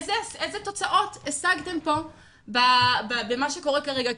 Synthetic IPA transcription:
zesezeto̞t͡saʔo̞t̪esaɡt̪e̞mpo̞ | bababemaʃeko̞ʁekaʁeɡa

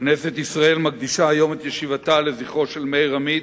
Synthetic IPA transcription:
knese̞t̪isʁae̞lmaɡ̚d̪iʃaajo̞met̪jeʃivat̪ale̞ziχo̞ʃe̞lmejʁamid

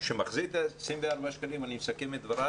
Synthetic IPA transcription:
ʃemaχzit̪asʁimveaɾbaʃkalimanimsakemed̪vaɾa

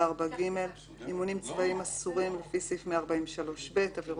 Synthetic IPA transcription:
aʁbaɡime̞l | imunimt͡svaimasuʁimlefisifmeaʁbaimʃalo̞ʃbetaviʁ

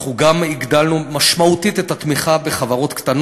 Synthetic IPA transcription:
χuɡamiɡd̪alnumaʃmaut̪it̪et̪at̪miχabe̞χavaʁo̞t̪kt̪an

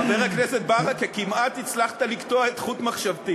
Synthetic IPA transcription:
peʁekneset̪̚baʁakekimat̪it͡slaχt̪aliktoaet̪χut̪maχʃavt̪i

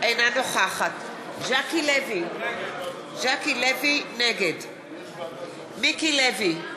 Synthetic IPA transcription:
ʔejnanoχaχat̪ | ʒakilevi | ʒakilevineɡed | mikilevi

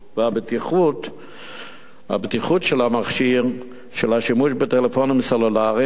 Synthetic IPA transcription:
veabet̪iχut | ha̰bet̪iχutʃelhamaχʃiʁ | ʃelhaʃimuʃbet̪elefonimsolulaʁi

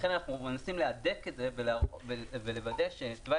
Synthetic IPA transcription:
χe̞nanaχnumenasimlead̪eketzevelavevele̞vad̪eaʃetva

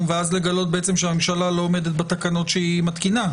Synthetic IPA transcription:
veazle̞ɡalo̞t̪̚beet͡se̞mʃeame̞mʃalalo̞ːme̞d̪et̪̚bet̪akano̞tʃeimat̪kina

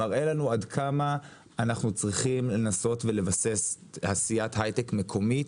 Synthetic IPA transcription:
aʁe̞lanuadkʰamaː | naχnut͡sʁiχimle̞naso̞tve̞le̞vase̞shasijatɦajtekme̞kʰo̞mit

